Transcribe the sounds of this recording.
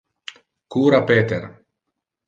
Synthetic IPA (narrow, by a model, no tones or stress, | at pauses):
kuːɾapeːt̪eɾ